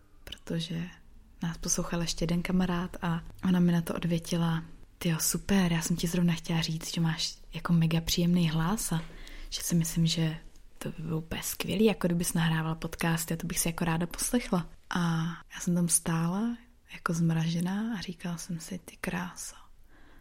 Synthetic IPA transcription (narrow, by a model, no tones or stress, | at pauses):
pɾo̞̥t̪o̞ʒɛ | naːspo̞slowxalʔɛʃcɛjɛdɛnkamaɾaːt̪aʔo̞namɪnat̪oʔo̞dvjɛcɪlat̪ɪjosupɛɾjaːsɛmcɪzɾo̞vnaxcɛlariːt͡st̪ʒ̥ɛmaːʃjako̞mɛɡapr̝̥ijɛmnejɦlasaʒ̥ɛsɪmɪslɪmʒɛ | t̪obɪbɪlupɛskvʲjɛ̰liːjakodɪbɪsnaɦɾaːvalapot̪kaːst̪ɪat̪obɪxsɪjako̞ɾaːdapo̞̥slɛxlaʔajaːsɛmt̪amst̪aːla | jako̞zmɾaʒɛnaːʔːriːkalasɛmsɪt̪ɪ̥kɾaːso